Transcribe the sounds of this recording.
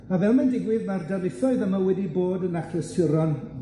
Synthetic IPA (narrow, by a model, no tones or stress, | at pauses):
avɛlˠmandɪɡwɪðmardarlɪθɔɨðəmawɛdiboːdənaχʰrəsəɾɔn